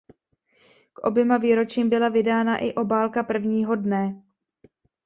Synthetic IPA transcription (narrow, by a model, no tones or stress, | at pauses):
kʔo̞̰bjɛmaviːɾo̞t͡ʃiːmbɪlavɪdaːnaʔɪʔo̞baːlkapr̩vɲiːɦo̞dnɛ